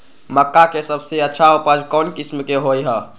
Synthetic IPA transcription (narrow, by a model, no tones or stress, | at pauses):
məkːakesəbʱseətːʃʰaupəd͡ʒkɔnkismkeɦojɦə